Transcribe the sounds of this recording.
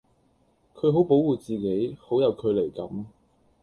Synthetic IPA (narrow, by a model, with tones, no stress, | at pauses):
kʰɵ˨˧ɥɦo˨˥wpo˨˥wuː˨˩t͡siː˨ke˨˥jho˨˥wjɐ˨˧wkʰɵ˨˧le˨˩jkɐ˨˥m